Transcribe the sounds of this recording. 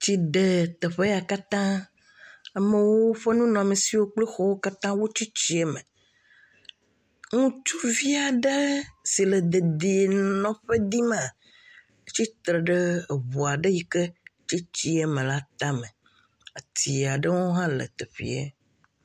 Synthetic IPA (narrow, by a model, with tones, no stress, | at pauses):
t͡ɕi˨ɖe˨t̪e˨ɸe˦ja˨ka˦t̪ã˦ | a˨me˨wo˦ɸe˦nũ˦nɔ̃˨a˨me˨si˨wo˦k͡ple˦xɔ˦wo˦ka˦t̪ã˦wo˦t͡ʃi˦t͡ɕi˦e˦me˨ | ŋũ˦t͡ʃu˦vi˦a˨ɖə˦si˨le˨d̪e˨d̪i˨e˨nɔ̃˨ɸe˦d̪i˦mã˨ | e˦t͡ɕi˦t̪ɾe˨ɖe˦˨βu˨a˨ɖe˦ji˦ke˦t͡ʃi˦t͡ɕi˦e˦mẽ˨la˦t̪ã˦me˨ | a˨t̪i˨a˨ɖə˦ŋo˦ɦã˦lḛ˨t̪e˨ɸḭ˨˦ḛ˦